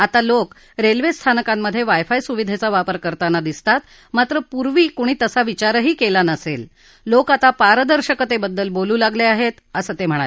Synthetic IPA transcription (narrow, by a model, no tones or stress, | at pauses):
at̪alok | ɾelʋest̪ʰanəkamːəd̪ʱːjeʋajfajsuʋid̪ʱet͡saʋapəɾkəɾt̪anːad̪ist̪at̪ | mat̪ɾəpuɾʋiːkoɽ̃iːt̪əsaʋit͡ɕaɾəɦiːkelanəselː | okat̪apaɾəd̪əɾɕəkət̪ebəd̪ːəlboluːlaɡleaɦet̪əsəːt̪em̤əɽ̃ae